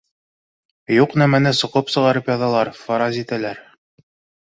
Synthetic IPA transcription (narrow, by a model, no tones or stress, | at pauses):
juqnæmænɘsŏqɤpsɤ̆ʁɑɾɤpjɒðɑlˠɑɾfɑɾɑzit̪ælæɾ